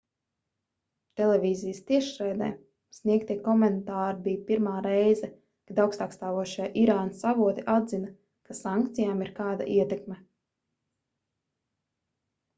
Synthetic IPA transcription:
t̪ɛlˠɛvʲiːzijəst̪iɛʃɾɛjd̪ɛ̰ː | sniɛkt̪iɛkɔmɛnt̪aːɾibijpiɾmaːɾɛjzɛ | kad̪awkst̪aːkst̪aːvuɔʃijʔiɾaːnsavuɔt̪iʔad̪zina | kasaŋkt̪sijaːmiɾkaːd̪a̰ʔiɛt̪ɛkmɛ

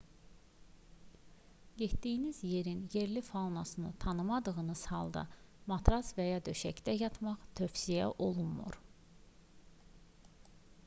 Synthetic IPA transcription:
je̞t̪d̪ijinizje̞ɾinje̞ɾlifɑlnɑsɯnɯt̪ʰɑnɯmɑd̪ɯʁɯnɯz̥hɑ̰lˠd̪ɑ̰mɑt̪ʰɾɑsvæjɑd̪ø̞ʃæcd̪æjɑt̪ʰmɑχt̪ʰø̞fsijæ̰ʔo̞lˠunmṵɾ

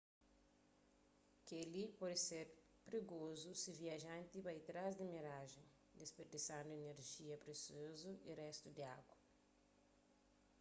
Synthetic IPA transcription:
kelipɔdɪseɾ | pɾiɡozusiviɐʒãnt̪ipajt̪ɾazd̪imiɾaʒẽŋ | d̪espeɾd̪isɐ̃w̃d̪ɪeneɾʒiɐpɾesiozuirɛst̪ud̪iaɡwɐ

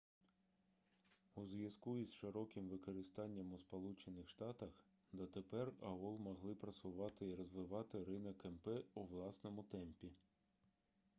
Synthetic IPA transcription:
uzʋjɐzkuizʃɪɾɔkɪmʋɪkɔɾɪst̪ɑnʲːɐmuspɔlˠut͡ʃenɪxʃt̪ɑt̪ɐx | d̪ɐt̪epɛrɐɔlˠmɔɦlˠɪpɾɐsʊʋɑt̪ɪiɾɔzʋɪʋɑt̪ɪɾɪnɐkɛmpɛuʋlˠɑsnɔmʊt̪ɛmpʲi

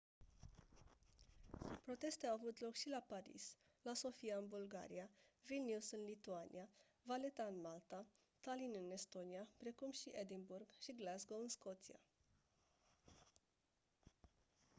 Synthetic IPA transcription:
pɾo̞t̪e̞st̪e̞awavut̪lo̞kʃilapaɾḭs | laso̞fiaɨnbulɡa̰ɾiavilnusɨnlit̪uanʔḭa | vale̞t̪aɨnmalt̪a | t̪alinɨne̞st̪o̞niapɾe̞kumʃiʔed̪inburɡʃiɡlazɡoɨnsko̞t̪sia̰

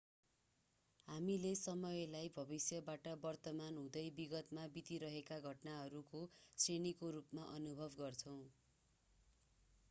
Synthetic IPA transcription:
ɦamilesʌmʌjlajbʱʌbisjʌbaʈʌbʌrt̪ʌmanɦũd̪ʌjbiɡʌt̪mabit̪iɾʌɦekaɡʱʌʈnaɦʌɾukosenikoɾupmaʔʌnubʱʌbɡʌrt͡sʰʌw̃

